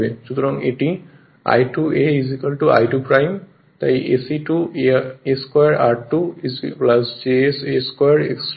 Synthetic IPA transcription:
bezut̪ɔɹɔŋeʈi | a̰jtueizikalʈua̰jtupɹajm | ta̰iʔḛsiʈu | eskajaɹaɹtusplasd͡ʒeeseskajaɹeks

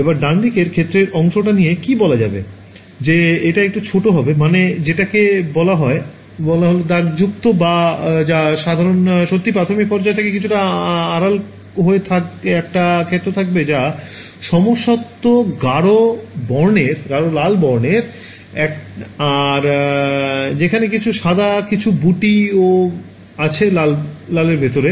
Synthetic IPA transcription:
ebaɾɖand̪ikeɾkʰet̪ːɾeɾɔŋʃoʈanijekibɔlad͡ʑa̰bḛ | d͡ʑeeʈaek̚ʈut͡ɕʰoʈoɦɔbemaned͡ʑeʈakebɔlaɦɔe | bɔlaɦolod̪aɡd͡ʑuk̚t̪obad͡ʑaʃad̪ʱaɾonʃot̪ːipɾat̪ʰomik̚pɔɾd͡ʑaet̪ʰakekit͡ɕʰuʈaaɾal | ɦoet̪ʰakɛk̚ʈakʰet̪ːɾot̪ʰak̚bed͡ʑa | ʃɔmoʃɔt̪ːoɡaɽobɔɾneɾɡaɽolalbɔɾneɾ | ɛkaɾ | d͡ʑekʰanekit͡ɕʰuʃad̪akit͡ɕʰubuʈio | at͡ɕʰelalːaleɾbʱet̪oɾe

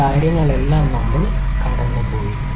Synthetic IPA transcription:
aːɾjɐŋːɐɭelːaːmnɐmːɐɭ | kɐɖɐnːɨpoːji

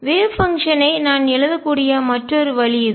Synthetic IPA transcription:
ʋeːfɐŋkʂɐnɐɪnaːnɛlɯðɐkkːuːɽɪjɐmɐʈrɔɾɯʋɐɭɪjɐðɯ

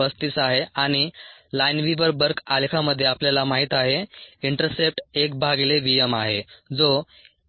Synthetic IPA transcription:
əst̪isaɦeaɽ̃ilajnʋiʋəɾbəɾkʰalkʰaməd̪ʱːjeapljalamaɦit̪aɦeiɳʈəɾsep̚ʈek̚bʱaɡleʋijəmaɦed͡zo

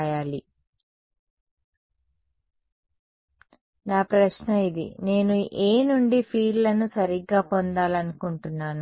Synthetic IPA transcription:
jaːli | naːpɾɐʃnɐid̪ḭne̞ːnuʔeːnuɳɖipʰiːɖlɐnusɐɾiɡːaːpond̪aːlɐnukuɳʈunːaːnu

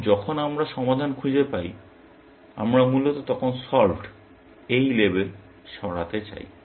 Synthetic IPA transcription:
d͡ʑɔkʰonamɾaʃɔmad̪ʱankʰud͡ʑepaj | a̰mɾamulot̪ot̪ɔkʰonsɔlʈ | ejlebel | ʃɔɽa̰t̪et͡ɕa̰j

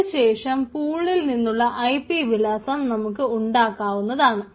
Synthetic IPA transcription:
ɕe̞ːʂɐmpuːɭːilninːuɭːɐʔɐjpiʋilɐsɐmnɐmukːɨuɳɖaːkːaːʋunːɐðaːɳɨ

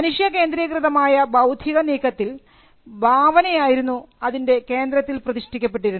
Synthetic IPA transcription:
ɐnuʂjɐke̞ːnd̪ɾiːkrɨðɐmaːjɐbʱɐwd̪ʱjiɣɐniːkʰːɐt̪ːil | bʱaːʋɐnɐjaːjiɾunːu | ɐðinde̞ke̞ːnd̪ɾɐt̪ːilprɐðiʂʈikʲːɐp̬ːe̞ʈ̬ːiɾunː

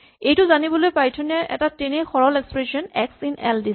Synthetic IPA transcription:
ejtʊzanibɔlojpɹajtʰɔnɔɹʔɛ̰tatenexɔɹɔlekspɹesiɔnɛksinɛldi

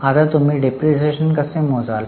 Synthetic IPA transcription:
at̪əɾt̪um̤iːɖepɾiseɕənkəsẽmod͡zal

